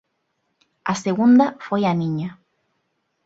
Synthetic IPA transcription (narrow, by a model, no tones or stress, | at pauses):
aseɣund̪afwejanĩɲa